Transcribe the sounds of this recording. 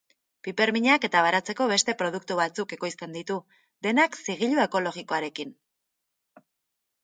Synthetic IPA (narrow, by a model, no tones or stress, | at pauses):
pipe̞ɾmiɲake̞t̪aβaɾat͡se̞ko̞βe̞st̪e̞pɾo̞ð̞uk̚t̪uβat͡suke̞ko̞jst̪e̞nd̪it̪u | d̪e̞naksiɣ̞iʎue̞ko̞lo̞ɣiko̞aɾe̞kin